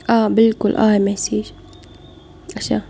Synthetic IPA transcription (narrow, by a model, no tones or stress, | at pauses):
ʔaːbɪlkʊlʔa̰ːjmasiːʃ | ʔaʃa̰